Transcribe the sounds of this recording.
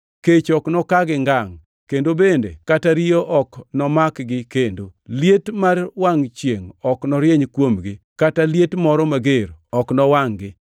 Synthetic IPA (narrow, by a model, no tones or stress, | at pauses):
ket͡ʃɔknɔkaɡɪŋɡaŋ | kendobendḛkataɾijoʔɔknɔmakɡɪkendoljetmarwaŋt͡ʃjeŋɔknɔɾjeɲkwomɡɪ | kataljetmɔɾɔmaɡeɾɔknɔwaŋɡɪ